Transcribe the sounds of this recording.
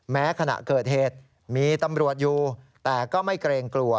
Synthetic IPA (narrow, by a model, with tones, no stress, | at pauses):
mɛː˦˥kʰa˧na̰˨˩ʔkɤː˨˩t̪̚heː˨˩t̪̚ | miː˧t̪a˧mɾu˨˩ət̪̚juː˨˧t̪ɛː˨˩kɔː˥˩ma˥˩jkɾeː˧ŋklu˧ə